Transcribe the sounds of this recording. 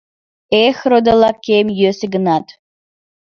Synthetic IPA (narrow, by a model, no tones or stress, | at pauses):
exɾod̪əlˠɑkːemjøseɡənɑt̪